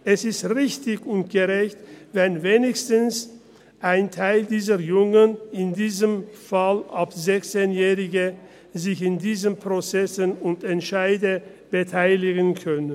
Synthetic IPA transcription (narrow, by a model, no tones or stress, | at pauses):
ʔɛsɪstʁɪçtɪçʊnt̚ɡ̥əʁɛçtvɛnveːnɪçstəns | ʔaɪntʰaɪldiːzɐjʊŋənɪndiːzəmfalʔapzɛçt͡seːnjɛːʁɪɡə | zɪçɪndiːzəmpʁ̥ot͡sɛsənʊntɛntʃaɪdə | b̥ətʰaɪlɪɡənkʰœn